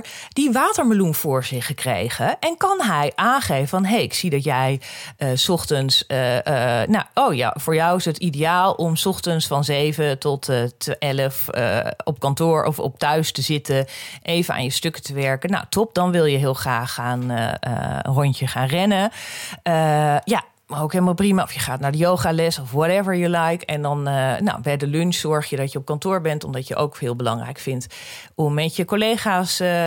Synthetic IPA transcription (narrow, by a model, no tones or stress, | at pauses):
diʋaːtəɹməlunfʊːɹzɪχəkrḛjχəʔɛnkɑnɦɛjʔaːnχejvəfɑnɦejɪksidɑtjɛjəsɔχtənsənaowja̰vʊːɹjɔwɪsətidejaːlˠɔmsɔχtənsfɑnzejvətɔttɛləfə̰ɔp̚kɑntʊːɹʔɔ̰fɔ̰p̚tœɥstəzɪtəʔejvəna̰ːnjəstøkə̥təʋɛɹkəna̰wtɔp̚dɔnʋɪlˠjəɦɪəlˠxraːχaːn̰ə̰ə̰nrɔntəχaːnrɛnəəja | mokɦelˠmaːlˠprimaɔfjəχaːtnaːɹdəjowχalɛsɔfwɔtɛvəɹjulajkɛndɔnəna̰wbɛjdəlønssɔɹχjədɔtjəɔp̚kɑntʊːɹbɛntɔmdɑtjəʔo̰wkɦɪːlˠbəlɑ̰ŋrɛ̰jkfɪnt | ɔmːɛtjəkoleːχaːs